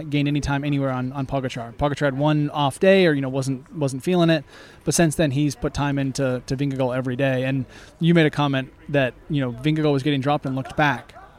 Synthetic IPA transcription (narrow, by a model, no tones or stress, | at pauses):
t̚ɡ̥ẽɪ̃ndɛñitʰãɪ̃mɛɾ̃iwɛɹə̃nə̃npʰɑɡɨt͡ʃʰɹ̥ɑɹpʰɑɡɨt͡ʃʰɑɹɨd̚wʌ̃nɔfd̥eɪə˞jɨñoʊwʌzn̩twʌzn̩tfilˠɪ̃ŋɪt̚ | b̥ʌtsɪ̃nsðɨ̃niz̥pʰʊtʰãɪ̃mɪ̃ntʰɨtʰɨvɪ̃ŋɡɨɡoʊɛvɹideɪɨ̃n | jɨmeɪɾɨkʰɑmɛ̃nðɨt̚jɨnoʊvɪ̃ŋɡɨɡowʌzɡɛɾɪ̃ŋdɹɑp̚tə̃n̩lʊk̚t̚b̥æk